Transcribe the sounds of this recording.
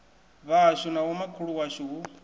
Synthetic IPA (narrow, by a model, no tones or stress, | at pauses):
βaʃʷunawɔmakʰuɺuwaʃʷuu